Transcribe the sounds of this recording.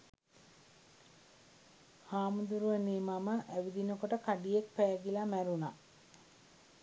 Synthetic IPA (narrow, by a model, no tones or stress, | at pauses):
haːmud̪uɾuʋəneːmaməʔæʋid̪inəkoʈəkaɖijek̚pæːɡilamæɾuna